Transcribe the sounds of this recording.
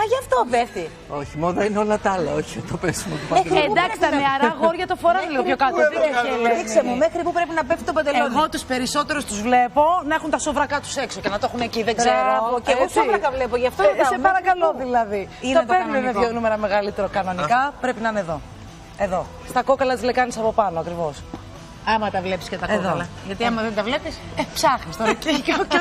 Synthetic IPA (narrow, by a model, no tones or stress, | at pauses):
ɐʝɐft̪oveθi | oçimoðɐineo̞lɐt̪ɐlɐoçit̪opesimot̪upɐend̪ɐksit̪ɐneɐɾɐɣo̞ɾʝɐt̪ofoɾɐliɣoçjokɐt̪oðieleiksemumexɾipupɾe̞pinɐpefsi̥t̪obɐnd̪eleoɣot̪uspe̞ɾiso̞t̪e̞ɾost̪uzvle̞po̞nɐexunt̪ɐsovɾɐkɐt̪u̥se̞kso̞cenɐt̪oxuneciðeɡzeɾoɐoeɣosovɾɐkɐvlepoʝɐft̪oissepɐɾɐkɐlo̞ðilɐðiiop̪eɾnenɐvjonumeɾɐme̞ɣɐlit̪e̞ɾokɐno̞nikɐpɾe̞pinɐineðo̞ | e̞ðo̞ | st̪ɐko̞kɐlɐt̪izle̞kɐnisɐpo̞pɐnoɐkɾivo̞s | ɐmɐt̪ɐvle̞pi̥scet̪ɐeoðoɐlɐ | ʝɐt̪iɐmɐðent̪ɐvle̞pis | epsɐxnist̪onɐcicoc